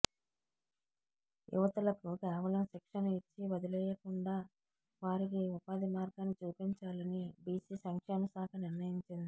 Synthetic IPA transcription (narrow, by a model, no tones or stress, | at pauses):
jʔṵʋɐt̪ulɐkukɛːʋɐlɐmʃikʂɐnɐit͡ʃːibɐd̪ilɛjɐkuɳɖaː | ʋaːɾik̬iupaːd̪imaːɾɡanit͡ʃuːpiɲt͡ʃaːlɐnibiːsisɐŋkʂeːmɐsaːkɐniɾnɐjiɲt͡ʃind̪i